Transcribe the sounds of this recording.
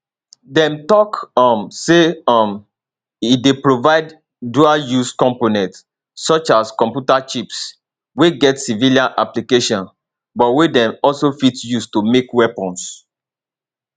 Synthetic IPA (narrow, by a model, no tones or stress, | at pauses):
dɛ̃mtɔkɔ̃mseɔm | idepɹovaɪd | dualjuskɔ̃mponɛ̃nt | sɔt͡ʃaskɔ̃mpjutat͡ʃips | weɡɛtsiviliãna̰plikeʃɔ̃n | bɔtwedɛ̃mɔlsofitjustumekwɛpɔ̃ns